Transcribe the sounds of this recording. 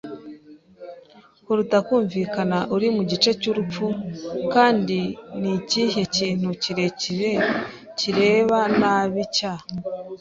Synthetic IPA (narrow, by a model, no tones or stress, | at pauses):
huɾutakuːɱvikanaʔuɾimuɟit͡ʃe̞cuɾup͡fukaːndinicihe̞ciːn̥huciɾee | ciɾe̞βanaβica